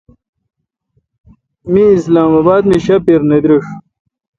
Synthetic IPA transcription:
miːslaːmɐbaːd̪miɕɐpiɾnɐd̪ɾiʂ

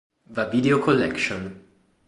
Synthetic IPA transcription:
vavideokʰɔlɛkʃɔ̃n

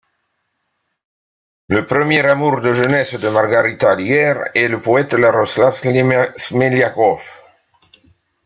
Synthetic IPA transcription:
ləpχəmjɛʁamuʁd̪əʒənɛsd̪əmaʁɡaʁit̪alijɛʁɛləpɔɛt̪laʁɔslafsmeljakɔf

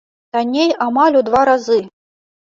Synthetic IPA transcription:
t̪anʲejamalʲud̪vaɾazɨ

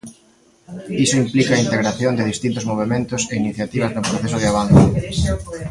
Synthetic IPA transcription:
isʊimplikaːint̪eɣɾaθjond̪ɪðist̪int̪ʊzmoβ̞emẽnt̪ʊseiniθjat̪iβ̞ɐznʊpɾoθesʊðɪaβ̞anθʊ

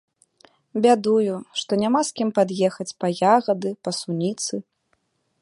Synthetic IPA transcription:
bʲad̪ujuʂt̪ɔnʲamaskʲimpad̪jɛxɐt͡sʲpɐjaɣɐd̪ɨpɐsunʲit̪sɨ

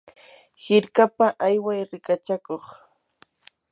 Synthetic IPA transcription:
hɪɾkapaʔajwajɾɪkat͡ʃakoχ

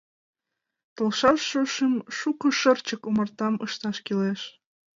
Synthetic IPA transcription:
t̪olʃɑʃːuʃəmʃukə̆ʃərt͡ɕəkumərt̪ɑmə̰ʃt̪ɑʃkileʃ

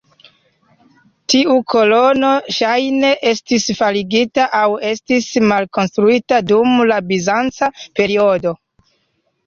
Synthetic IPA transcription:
tiukʰo̞lo̞no̞ʃajne̞ʔe̞stisfaliɡitaʔawe̞stismalko̞nstɾuitadumlabizant͡sape̞ɾio̞do̞

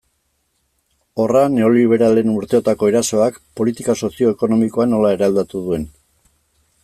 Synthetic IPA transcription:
o̞rane̞o̞liβ̞e̞ɾale̞nuɾt̪e̞o̞t̪ako̞eɾaso̞ak | po̞lit̪ikaso̞sio̞eko̞no̞miko̞ano̞lae̞ɾaeld̪at̪uðue̞n

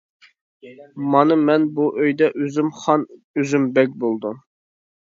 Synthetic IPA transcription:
mɑnɨmɛnbuʔøjd̪ɛʔøzymχɑn | øzymbɛk̚ʲbolˠd̪u

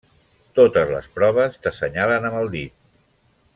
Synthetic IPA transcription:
t̪ot̪əzlə̰spɾɔβ̞əst̪əsəɲalənəməlˠd̪it̪̚

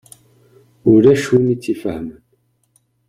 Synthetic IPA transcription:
uɾæʃunit͡sifəhmən

